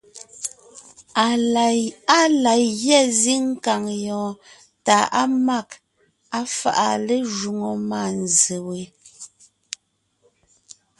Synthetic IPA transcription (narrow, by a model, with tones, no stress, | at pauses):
a˦la˨jɣjɛ˦˨zi˦ŋ̩˦ka˨ŋjɔ̃ː˨ | ta˨ʔa˦ma˦˨k | a˦fa̰˨ʔa˨le˦ʒu˨ŋo˨ma˦˨n˨ze˨we˨